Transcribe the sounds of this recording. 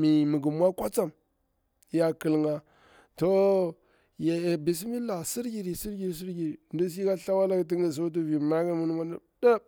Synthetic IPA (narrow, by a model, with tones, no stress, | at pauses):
mi˨mə˨ɡu˨m˦a˦kʷa˦t͡sa˦˨m˦ | ja˨kə˨lŋɡa˨ | to˦ | ja˨bi˨s̬i˦mi˦la˨si˦ɾɡi˨ɾi˨si˦ɾɡi˨ɾi˨s̬i˦ɾɡi˨ɾi˨ndu˦s̬i˦ka˦ɬa˦wa˦la˦kt̬i˦ŋɡi˨s̬o˦t̬u˦vi˨ma˦ɡa˦mu˦nu˦ma˦da˦